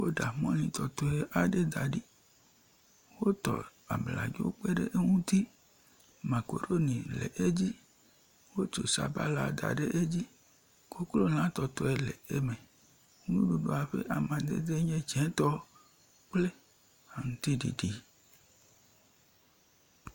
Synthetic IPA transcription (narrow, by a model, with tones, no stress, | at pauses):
wo˦ɖa˨mɔ̃˦nĩ˨t̪ɔ˨t̪ɔ˦e˦ʔa˨ɖe˦d̪a˨ɖi˦ | wo˦t̪ɔ̰˨a̰˨bla̰˨d͡ʒo̰˦k͡pe˦ɖḛ˦ʔe˦ŋũ˦t̪i˦ | mã˨ko̰˨ɖo˦nĩ˨lḛ˨ʔe˦d͡ʑi˦ | wo˦t͡ʃo˨sa̰˨ba̰˦la˨d̪a̰˨ɖe˦ʔe˦d͡ʑi˦ | ko˦klo˦l̃ã˨˦t̪ɔ˨t̪ɔ˦e˦lḛ˨e˦mẽ˨˦ | nũ˦ɖu˨ɖo˨a˨ɸḛ˦ʔa˨mã˨d̪ḛ˦d̪e˦ɲẽ˦d͡ʒɛ̃˨˦t̪ɔ˦ | k͡ple˦ | a˨ŋũ˦t̪i˦ɖḭ˨ɖi˨